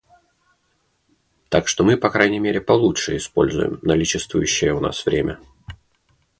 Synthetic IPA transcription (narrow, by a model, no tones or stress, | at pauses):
t̪akʂt̪o̞mɨpɐkɾajnʲɪjmʲeɾʲɪpɐlˠutʂɨɪspo̞̰lʲzʊ̰jɪ̰mnɐlʲit͡ɕɪst̪vʊjʉɕːɪjəʊna̰svɾʲemʲʔə